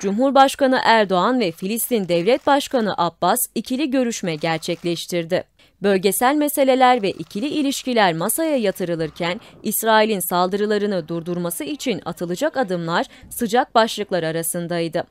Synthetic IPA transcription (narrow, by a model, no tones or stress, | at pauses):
d͡ʒumɦuɾbaʃkanɯʔæɾd̪o̞anvɛfilʲist̪ind̪ɛvlʲɛt̪̚baʃkanɯʔabːasicʰilʲiɟø̞ɾyʃmɛɟæɾt͡ʃʰɛclʲɛʃt̪ʰiɾd̪ɪ | bø̞lʲɟe̞sælʲmese̞lʲe̞lʲæɾvɛʔicʰilʲiilʲiʃcilʲæɾmasajajat̪ʰɯɾɯlˠɯɾcʰænisɾaːilʲinsalˠd̪ɯɾɯlˠaɾɯnɯd̪uɾd̪uɾmasɯit͡ʃʰina̰t̪ʰɯlˠɯd͡ʒakad̪ɯmlˠaɾ̥ | sɯd͡ʒak̚baʃlˠɯklˠaɾaɾasɯnd̪ajd̪ɯ